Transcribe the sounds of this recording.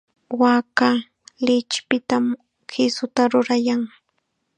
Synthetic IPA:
waːka | lɪt͡ʃpɪt̪am | kɪsʊt̪aɾʊɾajaŋ

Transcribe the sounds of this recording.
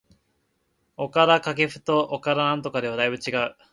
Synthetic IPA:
o̞kaɾakake̞ɸɯ̟̥t̪o̞ʔokaɾanãnt̪̬o̞kad̪e̞βad̪aibɯ̟t͡ɕiɡaɯ̟

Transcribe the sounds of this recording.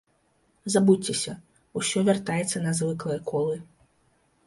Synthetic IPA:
zabuɛsʲɐ | usʲɔvʲart̪ajɛt̪sːɐnɐzvɨklˠɐjɛkʰɔlˠɨ

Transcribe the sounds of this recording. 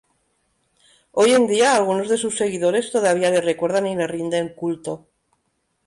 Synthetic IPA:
o̞je̞nd̪iaːlɣ̞uno̞zðe̞susːe̞ɣ̞iðo̞ɾe̞st̪o̞ðaβ̞iale̞rekwe̞ɾð̞anile̞rind̪eŋkult̪o̞

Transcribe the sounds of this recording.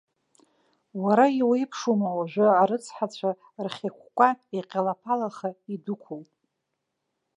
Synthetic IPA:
waɾaiwejpʰʂumawaʒʷᶣʊaɾɨt͡sʰħat͡ɕʷʰa | rχʲakʷʰkʷʼaiqʲʼalapʰalaχaidʊkʷʰʊlʼ

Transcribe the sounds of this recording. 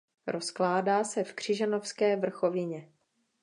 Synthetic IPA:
ɾo̞sklaːdaːsɛfkr̝̥ɪʒanofskɛːvr̩xo̞vɪɲɛ

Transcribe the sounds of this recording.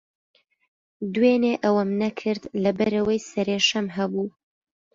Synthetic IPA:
d̪weneʔɐwɐmnɐkʰɨɾd̪lɐbɐɾɐwɐjsɐɾeːʃɐmɦɐbuː

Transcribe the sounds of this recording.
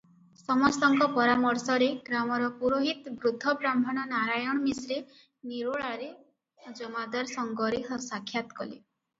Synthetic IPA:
sɔmɔst̪ɔŋkɔpɔɾamɔɾsɔɾeɡɾamɔɾɔpuɾoɦit̪bɾud̪ʱːɔbɾambʱɔɽ̃ɔnaɾajɔɽ̃ɔmisɾe | niɾoɭaɾe | d͡ʒɔmad̪aɾsɔŋɡɔɾeɦɔsakʰːjat̪ɔ̥kɔlḛ

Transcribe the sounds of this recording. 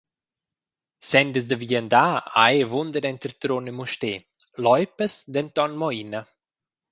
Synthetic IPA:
sɛnd̪əs̬d̪əviənd̪aːa̰jvund̪ənɛnt̪əɾt̪ɾonəmuʃteː | lɔjpəsd̪ɛnt̪ɔnmɔinə

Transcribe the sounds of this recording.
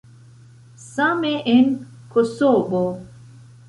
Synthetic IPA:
sameʔen | kosobo

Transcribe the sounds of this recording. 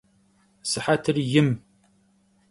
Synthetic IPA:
səħat̪əɾjəm

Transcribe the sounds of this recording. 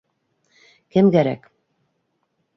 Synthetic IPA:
kɘmɡæɾæ̰k

